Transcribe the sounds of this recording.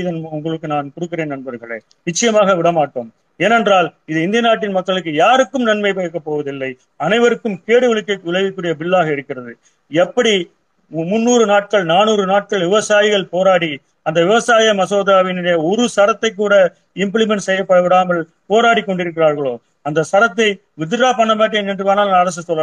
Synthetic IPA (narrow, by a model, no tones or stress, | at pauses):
ɪðɐnʊŋɡɐɭɯkːɯnaːnkɔɽɯkːɪɾeːnɐɳbɐɾɣɐɭḛː | nɪt͡ʃːɐjɐmaːɣɐʋɪɽɐmaːʈːoːm | eːnɛndraːlɪðɯɪnd̪ɪjɐnaːʈ̬ːɪnmɐkːɐɭɯk̬ːɯjaːɾɯkːɯmnɐnmɐɪp̬eːkːɐpːoːʋɐðɪlːɐɪ | ɐnɐɪʋɐɾɯkːɯmkeːɽɯʋɪɭɪkːɐɪkːʋɪɭɐʋɪkːɯːɽɪjɐbɪɭːaːɣɐɪɾɯkːɪrɐðɯ | ɛpːɐɽi | mʊnːuːɾɯnaːʈ̚kɐɭnaːnuːɾɯnaːʈ̚kɐɭʋɪʋɐsaːjɪɣɐɭpoːɾaːɽi | ɐnd̪ɐʋɪʋɐsaːjɐmɐsoːðaːʋɪnɪɽɐjɐɔɾɯsɐɾɐt̪ːɐɪk̬ːuːɽɐ | ɪmpɭɪmɛɳʈsɛjːɐpːɐɽɐʋɪɽaːmɐɭ | poːɾaːʈikːɔɳɖɪɾɯk̬ːɪɾaːɾɣɐɭoː | ɐnd̪ɐsɐɾɐt̪ːɐɪ | ʋɪðɯɾaːpɐɳːɐmaːʈ̬ːeːnɛndrɯʋaːnaːlɐɐɾɐs̬ɯsɔlːɐ